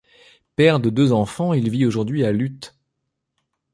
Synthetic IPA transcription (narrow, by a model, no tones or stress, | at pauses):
pɛʁd̪əd̪øzɑ̃fɑ̃ilvioʒuʁd̪ɥialyt̪